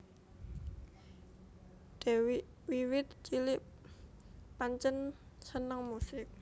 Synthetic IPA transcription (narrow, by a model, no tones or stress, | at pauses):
ɖ̥ew | wiwɪt̪̚t͡ʃilɪʔp | paɲt͡ʃənsənəŋmusɪk̚